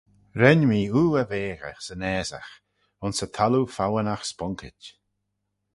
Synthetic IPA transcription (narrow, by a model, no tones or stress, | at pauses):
ɾɛnmiːuːəveːɣə̰xsənɛːza̰x | ʊnsət̪ʰalufawənaxspɔŋkʰɪt͡ʃ